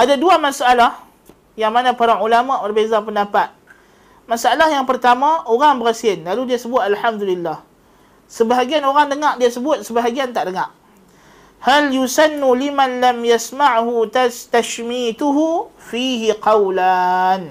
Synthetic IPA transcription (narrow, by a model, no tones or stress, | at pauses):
ʔadaduamasaalah | jaŋmanãpaɾaulamaʔbərbezap̬əndapat̪̚ | masaalahjaŋpərt̪amãoɾaŋbəɾasiənlaludiasəbʊt̪̚alħamd̪ulilːah | səbaɦaɡianoɾaŋdəŋaʔdiasəbʊt̪̚səbaɦaɡiant̪aʔdəŋaʔ | haljusanːulimanlamjasmaʕhut̪t̪aʃmit̪uɦufiɦiqɑwlan